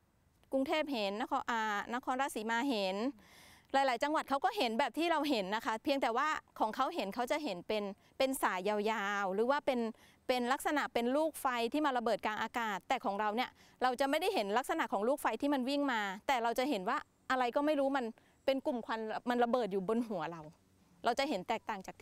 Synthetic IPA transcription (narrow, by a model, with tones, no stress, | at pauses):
kɾu˧ŋt̪ʰeː˥˩p̚ɦe˨˩˦nːa˥kʰːʔaː˨˩na˦˥kʰɔː˧nɾa˦˥˩siː˨˩˦maː˧ɦe˨˩˦nlaː˨˩˦jlaː˩˦jt͡ɕa˧ŋwa˨˩t̪̚kʰa˦˥wkɔː˥˩ɦe˨˦nbɛː˨˩p̚t̪ʰiː˥˩ɾa˧wɦe˨˩˦nːa˦˥kʰa˦˥pʰi˧əŋt̪ɛː˨˩waː˥˩kʰɔː˩˦ŋkʰa˦˥wɦe˨˩˦nkʰa˦˥wt͡ɕa˨ʔɦe˩˦npe˧n | pe˧nsaː˩˦jaː˧wjaː˧wɾɯː˩˦waː˥˩pe˧n | pe˧nla˦˥k̚sa˧na˨˩ʔpe˧nluː˥˩k̚fa˧jt̪ʰiː˥˩maː˧ɾa˧bɤː˨˩t̪̚kaː˧nʔaː˧kaː˨˩t̪ːɛː˨˩kʰɔː˩˦ŋɾa˧wni˥˩ɐɾa˧wt͡ɕa˨˩ʔma˥˩jda˥˩jɦe˩˦nla˦˥k̚sa˧na˨˩ʔkʰɔː˩˦ŋluː˥˩k̚fa˧jt̪ʰiː˥˩ma˧nwi˥˩ŋmaː˧t̪ɛː˨˩ɾa˧wt͡ɕa˨˩ɦe˨˩˦nwaː˥˩ | ʔa˧ɾa˧jkɔː˥˩ma˥˩jɾuː˦˥ma˧n | pe˧nku˨˩mkʰa˧n˧ma˧nɾa˧bɤː˨˩t̪̚juː˨˩bo˧nɦu˩˦ɐɾa˧w | ɾʔa˧wt͡ɕa˨˩ɦe˩˦nt̪ɛː˨˩k̚t̪aː˨˩ŋt͡ɕaː˨˩kt̪ʰː